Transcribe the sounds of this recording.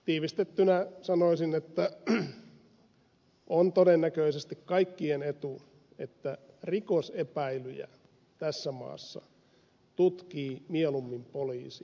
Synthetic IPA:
t̪iːʋist̪et̪ːynæsɑnoisinet̪ːæ | ʔont̪odenːækøisest̪ikkɑikːienet̪u | et̪ːæ | rikosepæilyjæ̰ | t̪æsːæmɑ̰ːsːɑ̰ | t̪ut̪kiːmielumːimpoliːsi̥

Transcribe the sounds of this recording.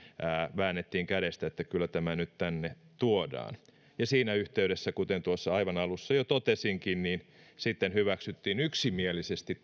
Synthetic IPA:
æːʋæːnːet̪ːiːŋkæɾest̪æet̪ːækylːˑæt̪æmænyt̪t̪ænːet̪uodɑ̰ːn | jɑsiːnæyht̪eyɾesːækut̪ent̪uosːɑɑiʋɑnɑlusːɑjot̪ot̪esiŋkinniːn | sit̪ːenhyʋæksyt̪ːiːnyksimielisest̪i

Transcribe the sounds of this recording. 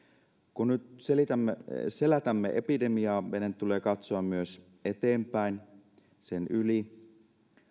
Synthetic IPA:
kunnyt̪selit̪æmːeselæt̪æmːeʔḛpide̞miɑːʋenent̪ːule̞ːkɑt̪soɑmmyøs | e̞t̪eːmpæin | senyli

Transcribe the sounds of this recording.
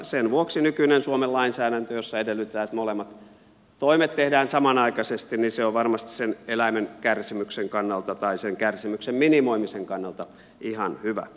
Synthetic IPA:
senʋuoksinykynensuomelɑinsæːdænt̪øjosːɑedelːˑyt̪ːˑæːt̪molemːɑt̪ | t̪oimet̪t̪ehdæːnsɑmɑnɑikɑsest̪inniseoʋʋɑrmɑst̪i̥ssenelæimenkærsimykseŋkɑnːɑlt̪ɑt̪ɑiseŋkærsimyksemminimoimiseŋkɑnːɑlt̪ɑ | ihɑnhyʋæ̰

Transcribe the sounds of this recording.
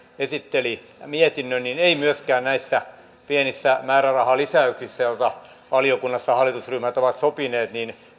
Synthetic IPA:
esit̪ːeli | miet̪inːønnineimyøskæːnnæisːæ | pienisːæmæːrærɑhɑlisæyksisːæjolt̪ɑ | ʋɑliokunːɑsːɑhɑlːˑit̪usryhmæt̪oʋɑt̪sopineːt̪niːn

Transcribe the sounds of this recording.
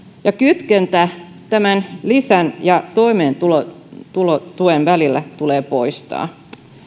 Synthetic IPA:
jɑkyt̪kent̪æ | t̪æmænlisænjɑt̪o̞ime̞ːnt̪ulot̪ulot̪uenʋælilːæt̪ule̞ːpo̞jst̪ɑ̰ː

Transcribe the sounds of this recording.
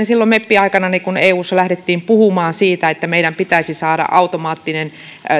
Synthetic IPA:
nsilːomepːiɑikɑnɑnikuneːuːsːɑlæhɾet̪ːiːmpuhumɑːnsiːt̪æet̪ːæmeiɾæmpit̪æisisɑːɾɑ̰ʔʔɑut̪omɑːt̪ːinen

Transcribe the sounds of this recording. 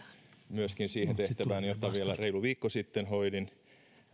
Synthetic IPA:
myøskinsiːhent̪eht̪æʋæːnjot̪ːɑʋielæreiluʋiːkːosit̪ːenhoidin

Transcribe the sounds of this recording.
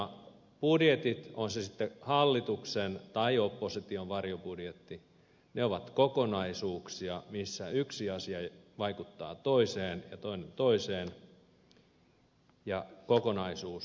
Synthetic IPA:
ɑ | pudjet̪it̪onsesit̪ːehɑlːit̪uksent̪ɑiopːosit̪ioʋʋɑrjopudjet̪ːi | neoʋɑt̪kokonɑisuːksiɑmisːæyksiɑsiɑʋɑikut̪ːɑ̰ːt̪oiseːnjɑt̪oinent̪oiseːn | jɑkokonɑisuːs

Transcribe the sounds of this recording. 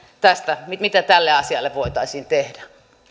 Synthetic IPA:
t̪æst̪æmimit̪æt̪ælːeɑsiɑlːeʋʋoit̪ɑisʲiːnt̪ehdæ

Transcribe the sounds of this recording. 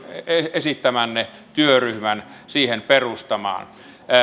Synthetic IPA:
eesit̪ːæmænnet̪yøryhmænsiːhenperust̪ɑmɑ̰ːn

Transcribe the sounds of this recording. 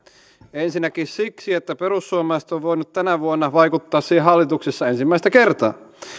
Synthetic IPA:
ensinːækissiksiet̪ːæperusːuomɑist̪oʋʋoinut̪t̪ænæʋuonːɑʋɑikut̪ːɑːssiːhehɦɑlːit̪uksisːɑensimːæist̪ækert̪ɑ̰ː

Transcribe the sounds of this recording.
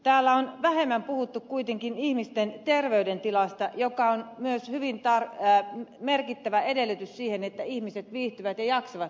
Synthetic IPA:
t̪æːlːæonʋæhemːæmpuhut̪ːukkuit̪eŋkinihmist̪ent̪erʋeydent̪ilɑst̪ɑjokɑonmyøshyʋint̪ɑr | merkit̪ːæʋæedelːyt̪yssiːhenet̪ːæihmiset̪ʋiːht̪yʋæt̪jɑjɑksoʋɑt̪

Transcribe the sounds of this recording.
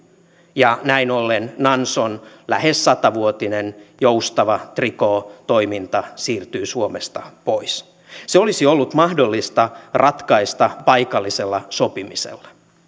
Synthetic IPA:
jɑnæinolːennɑnsonlæhesːɑt̪ɑʋuot̪inenjoust̪ɑʋɑt̪riko̞ːt̪o̞imint̪ɑsiːrt̪yːsuomest̪ɑpois | seo̞lisio̞lːut̪mɑhdo̞lːist̪ɑrʔɑt̪kɑist̪ɑpɑjkɑlːiselːɑso̞pimisḛlːɑ̥

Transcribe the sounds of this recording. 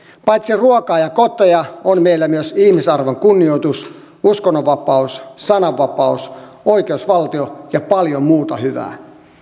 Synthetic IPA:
pɑjt̪siruokɑːjɑkot̪ojɑonmeilːæmyøsihmisɑrʋoŋkunːiojt̪us | uskonːoʋʋɑpɑussɑnɑʋːɑpɑus | oikeusʋɑlt̪iojɑpɑljommuːt̪ɑhyʋæ̰ː

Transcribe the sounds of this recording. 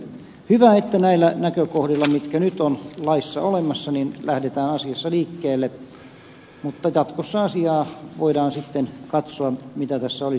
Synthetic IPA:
hyʋæet̪ːænæilːˑænækøkohdilːɑmit̪kænyt̪onlɑisːɑolemɑsːɑninlæhdet̪æːnɑsiɑsːɑliːkːeːlːe | mut̪ːɑjɑt̪kosːɑɑsiɑːʋoidɑːnsit̪ːenkɑt̪soɑmit̪æt̪æsːæoli

